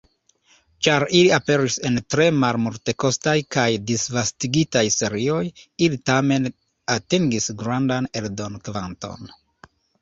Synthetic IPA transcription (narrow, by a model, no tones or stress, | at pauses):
t͡ʃaɾiliape̞ɾise̞ntɾe̞malmulte̞ko̞stajkajdisvastiɡitajse̞ɾio̞jilitame̞n | atiŋɡisɡɾandaneldonkvanto̞̰n